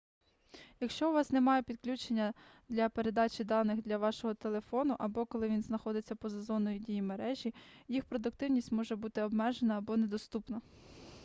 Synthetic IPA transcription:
jɐkʃt͡ʃɔʋɑsnemɑjepʲid̪klʲut͡ʃenʲːɐ | d̪lʲɐpe̞ɾe̞d̪ɑt͡ʃʲid̪ɑnɪxd̪lʲɐʋɑʃɔɦɔt̪e̞lˠe̞fɔnʊʔɐbɔkɔlˠɪʋʲinznɐxɔd̪ɪt͡sʲːɐpɔzɐzɔnɔjidʲijimeɾɛʒʲijixpɾɔd̪ʊkt̪ɪwnʲisʲtʲmɔʒɛbut̪ɪɔbmɛʒenɐːbɔned̪ɔst̪upnɐ

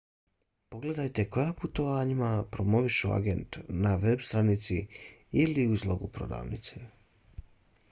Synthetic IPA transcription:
po̞ɡle̞d̪ajt̪e̞ko̞japut̪o̞ʋaːɲimapɾo̞mo̞ʋiʃua̰ɡe̞nt̪naʋe̞bst̪ɾanit̪siiliuizlˠoɡupɾo̞̰d̪a̰ːʋnit̪se

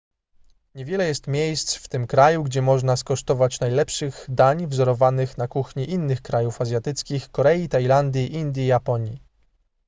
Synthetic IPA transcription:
ɲevʲjɛlɛjɛst̪mʲjejst̪sft̪ɘmkɾajuɡd͡ʑɛmɔʐnaskɔʂt̪ɔvat͡ɕnajlɛpʂɘɣd̪aɲvzɔɾɔvanɘxnakuxɲiʔinːɘxkɾajufazʲjat̪ɘt̪skʲixkɔɾɛit̪ajland̪ʲjiʔind̪ʲjijapɔɲi

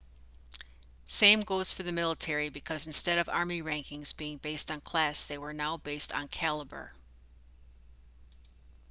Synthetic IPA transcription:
sẽɪ̃mɡoʊz̥fə˞ðɨmɪlˠətʰɛɹibɨkʰʌzn̩stɛɾʌvɑ̰ɹmiɹæ̃ŋkɪ̃ŋzbiɪ̃ŋbeɪstn̩kʰl̥æsðeɪwə˞naʊbeɪstn̩kʰælˠəbə̰˞

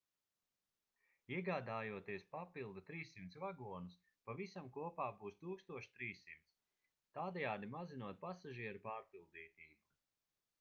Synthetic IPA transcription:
iɛɡaːd̪aːjuɔt̪iɛspapilˠd̪ut̪ɾiːsːimt̪svaɡuɔnus | pavisamkuɔpaːbuːst̪uːkst̪uɔʃt̪ɾiːsːimt̪sʲ | t̪aːd̪ɛjaːd̪imazinuɔt̪̚pasaʒiɛɾupaːɾpilˠd̪iːt̪iːbu

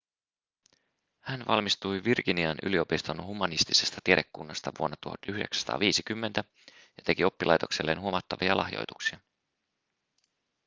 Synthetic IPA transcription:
hænʋɑ̰lmist̪ujʋirkiniɑnʔy̰lio̞pist̪onhumːɑnist̪ise̞st̪ɑt̪ieɾe̞kːunːɑst̪ɑʋuonːɑt̪uhɑ̰t̪yhde̞ksæ̥st̪ɑ̰ːʋiːsikymːe̞nt̪æ | jɑt̪e̞kio̞pːilɑjt̪o̞kse̞lːeːnɦuomɑt̪ːɑʋiɑlɑ̰hjo̰jt̪uksiɑ

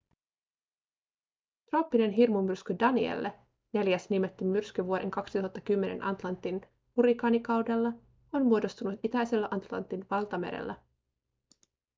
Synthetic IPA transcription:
t̪roːpːine̞nɦirmumyrskydɑniḛlːe | ne̞ljæsnimet̪ːymːyrskyʋuode̞̰ŋkɑksit̪uɦɑt̪ːɑkymːe̞nḛnʔɑ̰nt̪lɑnt̪ːin | huɾikɑːnikɑwdelːɑ | o̞nmuodo̞st̪unut̪it̪æjse̞lːæʔɑnt̪lɑ̰nt̪ːinʋɑlˠt̪ɑmeɾḛlːæ

